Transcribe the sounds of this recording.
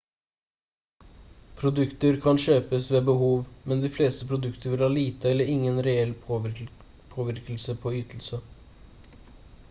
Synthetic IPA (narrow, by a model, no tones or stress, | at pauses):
pʰɾʊd̪ʉkt̪əɾkʰɑnʃøːpəsʋeːbəɦuːʋmɛnd̪iːfleːst̪əpʰɾʊd̪ʉkt̪əɾʋɪlhɑːliːt̪əɛlːəɾɪŋːənɾɛɛl | pʰoːʋɪɾkəlsəpʰoːyːt̪ʰl̩sə